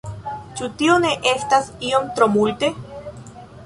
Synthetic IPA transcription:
t͡ʃut̪ioneʔest̪asiomt̪ɾomult̪e

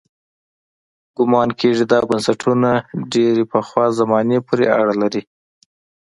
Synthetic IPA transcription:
ɡ̥ʊmɑnkʰeʐid̪ɑbansaʈʰunaɖeɾepəxwɑzamɑnepoɾea̰ɽalaɾi

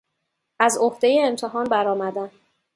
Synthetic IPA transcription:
æzo̞hd̪e̞jeːmt̪ʰe̞ɦɒːnbæɾɒːmæd̪æm

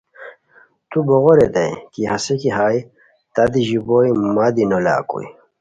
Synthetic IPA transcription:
t̪uboɣoɾed̪a̰jkihɐsekiɦaːj | t̪ad̪iʑibojmad̪inola̰ːkṵj

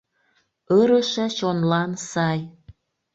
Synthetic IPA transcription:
ɤɾəʃĕt͡ɕonlɑnsɑj

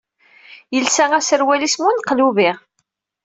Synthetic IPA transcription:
jəlsæŋæsəɾwælismunqluviʁ

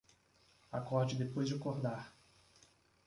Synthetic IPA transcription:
akɔɾd͡ʒɪd̪epojzd͡ʒɪkoɾd̪aɾ

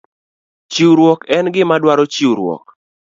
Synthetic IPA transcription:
t͡ʃiwɾwɔkɛnɡɪmadwaɾɔt͡ʃiwɾwɔ̰k̚

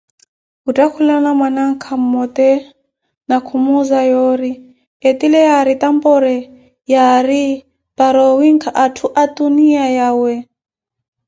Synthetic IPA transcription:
utʼakʰulanamwanaŋ̩kʰamɔt̪ɛ | nakʰumuzajoɾi | et̪ilɛjaɾit̪ampɔɾɛ | jaɾi | paɾɔwiŋkʰaʔatʰuʔat̪uniajawɛ

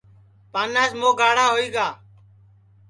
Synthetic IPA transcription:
paːnaːsmoːɡaːɽaːɦoːiːɡaː

